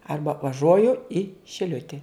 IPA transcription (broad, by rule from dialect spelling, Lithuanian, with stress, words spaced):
ˈɐrbɐ ʋɐˈʒuɔjʊɪ ʃʲɪˈlʲʊtʲɪ